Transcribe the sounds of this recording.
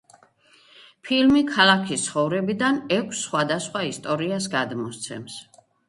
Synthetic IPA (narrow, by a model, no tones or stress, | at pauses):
pʰilmikʰalˠakʰist̪sʰχɔvɾɛbid̪anɛkʷʰsːχwad̪asχwaist̪ʼɔɾiasɡad̪mɔst̪sʰɛ̰ms